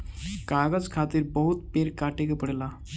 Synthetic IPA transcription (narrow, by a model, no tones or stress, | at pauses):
kaɡəd͡zkʰat̪iɾbəɦut̪peɾkaʈekepəɽla